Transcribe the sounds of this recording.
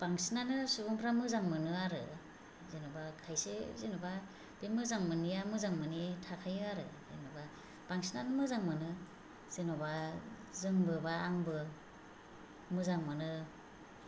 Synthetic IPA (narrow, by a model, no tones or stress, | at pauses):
b̥aŋsinanɯsubuŋpʰɾamɯzaŋmɯnɯaɾɯ̰ | zenobakʰajsezenuba | b̥emɯzaŋmɯnijamɯzaŋmɯnitʰakʰajɯaɾɯ̰ | zenoba | b̥aŋsinanɯmɯzaŋmɯnɯ | z̥enoba | zɯŋbɯbaːŋbɯ | mɯzaŋmɯnɯ